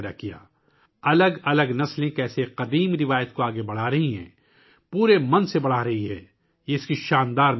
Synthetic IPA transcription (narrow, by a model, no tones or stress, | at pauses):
ɾa̰kija̰ː | ɐləɡɐləɡnɐslẽkɛːseqɐd̪iːmɾɪʋaːjət̪koaːɡebɐɽ̤aːɾɐɦiɦɛ̰̃ː | puːɾemɐ̃nsebɐɽ̤aɾɐɦiɦɛː | jeɪskiʃaːnd̪aːɾm